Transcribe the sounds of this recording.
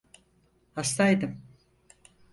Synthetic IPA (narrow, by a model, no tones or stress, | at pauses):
hast̪ajd̪ɯm